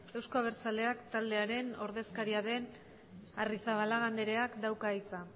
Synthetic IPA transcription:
e̞wsko̞aβ̞e̞ɾt͡sale̞akt̪ald̪e̞aɾe̞no̞ɾðe̞skaɾiaðe̞n | arisaβ̞alaɣand̪eɾe̞akd̪awkait͡sa

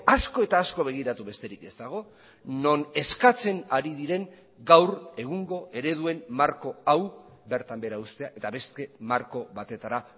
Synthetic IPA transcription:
asko̞e̞t̪aːsko̞β̞e̞ɣ̞iɾat̪uβe̞st̪e̞ɾike̞st̪aɣ̞o̞ | no̞ne̞skat͡se̞naɾiðiɾe̞ŋ | ɡawre̞ɣ̞uŋɡo̞ʔe̞ɾe̞ð̞ue̞nmaɾko̞aw | be̞ɾt̪ambe̞ɾaust̪e̞aʔe̞t̪aβe̞st̪e̞maɾko̞βat̪e̞t̪aɾa

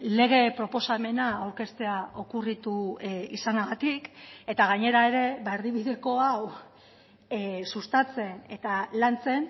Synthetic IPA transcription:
le̞ɣ̞e̞pɾo̞po̞same̞naːwɾke̞st̪e̞aʔo̞kurit̪uisanaɣat̪ike̞t̪aɣ̞aɲe̞ɾae̞ɾe̞βaeɾðiβiðe̞ko̞aw | sust̪at͡se̞ne̞t̪alant͡se̞n

